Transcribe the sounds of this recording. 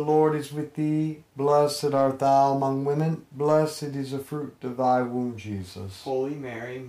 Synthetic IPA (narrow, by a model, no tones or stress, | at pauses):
lɔɹɾɨzwɨðiblɛsɨɾɑɹt̪̚ðaʊəmʌ̃ŋwɪ̃mɨ̃nblɛsɨɾɨzɨfɹʉɾʌvðaɪwũnd͡ʒizə̰shoʊlˠimɛɹi